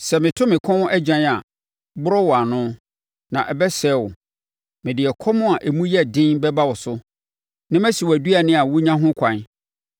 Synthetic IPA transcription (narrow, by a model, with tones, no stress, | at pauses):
sɛ˨mɪ̃˨tʰʊ̃˦mɪ̃˨kʰɔ̃˦n˦ʔɛ˦d͡ʑã˦na˨ | bʊ˦ɾɔ˦wɔ˨a˨nʊ̃˦ | nã˨ʔɛ˨bɛ˦sɛ˦˨wʊ˨ | mɪ̃˨dɪ˨ɛ˨kʰɔ˦mʊ̃˦a˨ʔe˨mũ˦jɛ˦˨dɪ̃˦nbɛ˦ba˦wɔ˨sʊ˦ | nã˦mæ̃˦si˨wæ˨du˦a˨nɪ̃˦a˨wʊ˦ɲã˦ɦʊ̃˦kʰʷã˨n